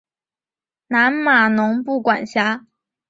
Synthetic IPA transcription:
na˧˥nma˨˩nʊ˧˥ŋpu˥˩kwa˨˩nɕja˧˥

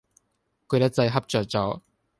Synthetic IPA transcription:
kɵ˨˧jɐ˥t͡sɐ˧jɦɐ˥p̚t͡ʃœː˨˩k̚t͡sɔː˨˥

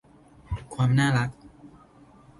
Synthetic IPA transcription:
kʰwaː˧mnaː˥˩ɾa˦˥k̚

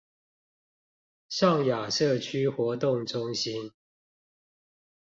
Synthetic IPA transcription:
ʂɑ˥˨ŋja˨˩ʂɤ˥˨t͡ɕʰy˦xwɔ˨˥t̪ʊ˥˨ŋʈ͡ʂʊ˦ŋɕi˦n

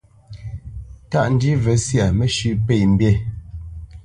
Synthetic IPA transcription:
ta˦ʔn̩˨˦di˦vɛ˨˦sja˨mɛ˦ʃʉ˦ʔpe˨jm̩˦bjɛ˦˨

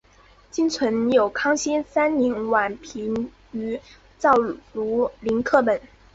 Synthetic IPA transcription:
t͡ɕi˥nt͡sʰwə˧˥njo˨˩ʊkʰɑ˥ŋɕi˥nsa˥nni˧˥nwa˨˩npʰi˧˥n | y˧˥ | t͡sɑ˥˩ʊlu˧˥li˧˥nkʰɤ˥˩pə˨˩˦n

